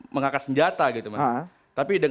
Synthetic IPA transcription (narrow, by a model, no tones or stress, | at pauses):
məŋakasəɲd͡ʒat̪aɡit̪umas | t̪apidəŋ